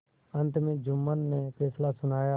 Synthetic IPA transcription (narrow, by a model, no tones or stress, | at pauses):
ə̃nt̪mẽːd͡ʒʊmːənːeːpɛːslasʊnaːjaː